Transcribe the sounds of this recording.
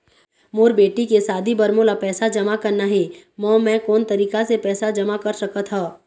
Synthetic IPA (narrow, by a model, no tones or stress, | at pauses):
moːɾbeːʈikesaːd̪ʱibɐɾmoːlapɛːsad͡ʒɐmakɐɾnaɦɛ | mɔ̃ːmɛ̃ːkɔːnt̪ɐɾiːkasepɛːsad͡ʒɐmakɐɾsɐkət̪ʰɦaː